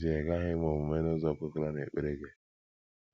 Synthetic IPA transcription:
zi˨e˨ɡa˦ɦɪ˦mo˨mʊ˨me˦nʊ˦zɔ˦˨ko˦kɾa˦n˨e˨k͡pe˦ɾe˦ɡe˨

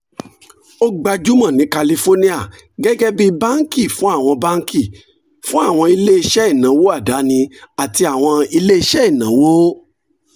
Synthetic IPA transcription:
o˦ɡ͡ba˧d͡ʒu˦mã˦˨nĩ˨˦ka˧li˧fo˦nĩ˦a˦˨ | ɡɛ˦ɡɛ˦bi˦ba˦ŋ˦ki˦˨fũ˨˦a˦˨w̃ɔ̃˧ba˦ŋ˦kʰi˦˨ | fũ˦a˦˨w̃ɔ̃˧i˧le˦i˧ʃɛ˦i˦˨nã˨˦wo˦a˦˨da˨˦nĩ˧a˨ti˧a˨w̃ɔ̃˧i˧le˦i˧ʃɛ˦i˦˨nã˨˦wo˦

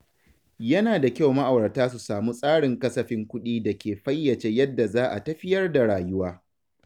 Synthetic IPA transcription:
jɐ˦naː˨da˨kʲa˦˨wma˦ʔa˨wɐ˨rtaː˦s̬u˨saː˨mu˦sʼaː˦ɽɪ˨ŋkɐ˦sɐ˨ɸɪ˦ŋkʷʊ˦ɗiː˦dɐ˨kʲeː˨ɸɐ˦jːɐ˨t͡ʃeː˦jɐ˦dːa˨zaː˦ʔa˨tɐ˦ɸɪ˦jɐ˦rda˨ɽaː˨jʊ˦waː˦

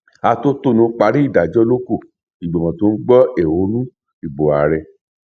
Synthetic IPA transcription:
a˧to˦to˦˨nũ˧˦k͡pa˧˦ɾi˦i˦˨da˨d͡ʒɔ˦lo˦ko˦˨ | i˨ɡ͡bo˨mã˨to˨˦n̩˦ɡ͡bɔ˦e˨wo˨˦nũ˦ | i˨bo˨a˨ɾɛ˧

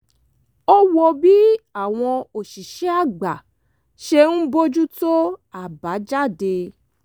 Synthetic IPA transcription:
ɔ˦wɔ˧bi˦a˦˨w̃ɔ̃˧o˨ʃi˨ʃɛ˨˦a˦˨ɡ͡ba˨ | ʃe˧ñ̩˦bo˦d͡ʒu˦to˦a˨ba˨˦d͡ʒa˦˨de˧

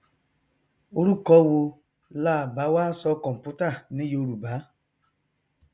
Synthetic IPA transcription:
o˦ɾu˦kɔ˦wo˧ | laː˦˨ba˨˦waː˦sɔ˦kɔ˨m̩˨pu˦ta˦˨ni˦jo˨˦ɾu˨baː˨˦

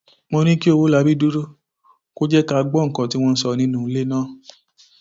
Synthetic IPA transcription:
mo˧ɾ̃ĩ˦ki˦o˧wo˦la˧bi˦du˦ɾo˦ | ko˦d͡ʒɛ˦ka˧ɡ͡bɔ˦ŋ̩˨kã˨ti˦w̃ɔ̃˧n̩˦sɔ˧nĩ˧˦nũ˦˨˧le˦nãː˦˨

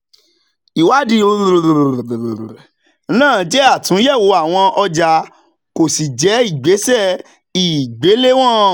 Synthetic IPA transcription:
i˨wa˨˦dĩ˧˦˧ | nãː˦˨˦d͡ʒɛ˦a˦˨tũ˨˦jɛ˦˨wo˨˦a˦˨w̃ɔ̃˧ʔɔ˧d͡ʒa˨˦ | ko˨si˨d͡ʒɛ˨˦i˦˨ɡ͡be˨˦sɛ˦˨ | i˨ɡ͡be˨˦le˦w̃ɔ̃˦˨

